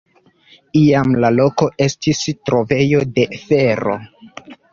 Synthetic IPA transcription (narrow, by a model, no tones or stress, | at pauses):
iamlalo̞ko̞ʔe̞stistɾo̞ve̞jo̞de̞fe̞ɾo̞̰